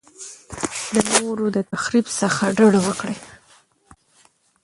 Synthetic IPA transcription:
d̪ənoɾod̪ət̪axɾibsəxaɖəɽwəkɽə

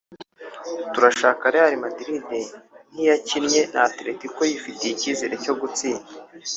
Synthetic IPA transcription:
tuɾaʃaːkaɾehaɾimadiɾiden̥ijacinɲe̞nʔa̰ːtɾetiko̞jifiteiciːzeɾe̞co̞ɡut͡siːnɡa

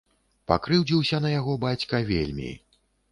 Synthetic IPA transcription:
pa̰kɾɨwd͡zʲiwsʲɐnɐjaɣɔbat͡sʲkɐvʲḛlʲmʲḭ

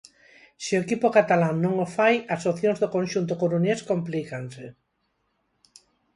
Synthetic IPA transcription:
sioekipokat̪alaŋnõŋofajasoθjõŋzðokõnʃunt̪̬okoɾuneskomplikansɪ

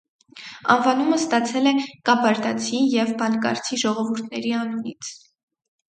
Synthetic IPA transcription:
ɑ̰nvɑnuməst̪ɑt͡sʰɛlɛkɑbɑɾd̪ɑt͡sʰijɛvbɑnkɑ̰ɾt͡sʰiʒɔʁɔvuɾt̪ʰnɛ̰ɾiɑnunit͡sʰ

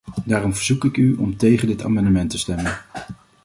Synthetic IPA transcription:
daːrɔmvəɹzukɪkyɔ̰mtejχəndɪta̰ːmɑndəmɛntəstɛmən

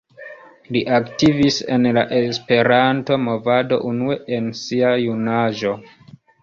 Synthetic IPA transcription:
liʔaktivise̞̰nla̰ʔe̞spe̞ɾanto̞mo̞vado̞̰ʔunue̞ʔensiajunaʒo̞

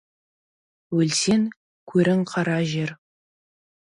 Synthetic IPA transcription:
wɵlse̞ŋ | kʲʰɵɾʔɪŋqʰɑɾɑʒeɾ

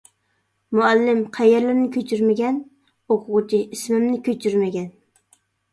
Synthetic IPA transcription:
muɛlːɪmqʰæjɛɾlɪɾnɪkʲʰøt͡ʃʰyɾmɪɡʲɛn | oqʰʊʁʊt͡ʃʰiismɪmnɪkʲʰøt͡ʃʰyɾmɪɡʲɛn

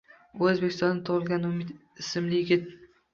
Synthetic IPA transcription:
ɵzbekʲʰɪst̪ɒnd̪at̪ʰʊʁɪlˠɡʲanʊmɪd̪ | ɪsɪmlɪjɪɡʲɪt̪

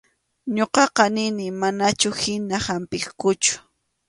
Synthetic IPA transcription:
ɲoqɑqɑnɪnɪmanat͡ʃʊhɪnahampɪχkʊt͡ʃʊ̥

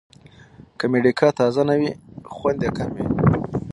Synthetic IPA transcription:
kameɖikʰɑt̪ɑzanawixwand̪ekamwi

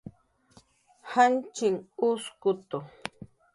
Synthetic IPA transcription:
hant͡ʃɪŋʊskʊt̪o

